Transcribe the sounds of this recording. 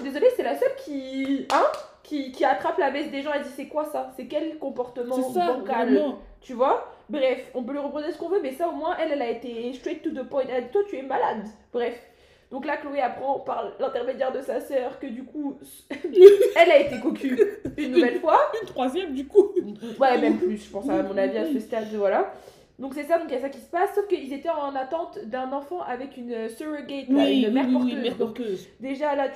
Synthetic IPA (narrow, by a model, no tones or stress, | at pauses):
d̪ezɔlesɛlasœlkʲiɛ̃kʲikʲiat̪χaplabɛsd̪eʒɑ̃ed̪isɛkwasasɛkʲɛlkɔ̃pɔʁt̪əmɑ̃bɔ̃kal | t̪yvwabʁɛfɔ̃pøliʁəpʁɔ̃d̪esə̥kɔ̃vømɛsaomwɛ̃ʔɛlɛlaet̪est̪ɛt̪t̪ːud̪əpɔ̃j̃t̪ɛd̪it̪wat̪yɛmalad̪bʁɛf | d̪ɔ̃klakloeapχɑ̃paʁlɛ̃t̪ɛʁmed̪jɛʁd̪əsasœːʁkəd̪ykʰu | ɛlaet̪ekɔ̃kʰʲyynːuvɛlfwaynt̪χwazjɛmd̪ykuwɛmɛmplysʒə̥pɑ̃samɔ̃naviasəst̪ad̪vwala | d̪ɔ̃ksɛsad̪ɔ̃kjasakʲi̥sə̥pasːofkəilzet̪ɛɑ̃nat̪ɑ̃t̪d̪ɛ̃nɑ̃fɑ̃ʔavɛkʲynøsəʁəɡɛt̪aynmɛʁpɔʁøzɛʁd̪ɔ̃køzd̪eʒala